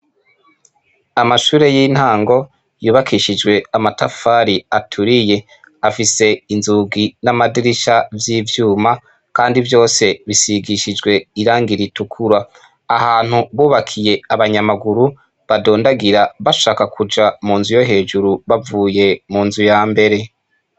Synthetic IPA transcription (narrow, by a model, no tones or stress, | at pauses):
amaʃuːɾe̞jin̥haːŋɡo̞ | juːβakʰiʃid͡ʒwe̞amatafaːɾiatʰuɾije̞ | afise̞inzuɡinamadiɾiʃavjiːvjuːma | kaːndivjo̞ːse̞βisiɡiʃid͡ʒɡwe̞iɾaːŋɡiɾitukʰuɾa | ahaːn̥huβuːβakʰije̞aβaɲamaɡuɾu | βadoːndaɡiɾaβaʃaːkakʰud͡ʒamuːnzujo̞ɦe̞ːd͡ʒuɾuβavuːje̞muːnzujaːmbe̞ɾe̞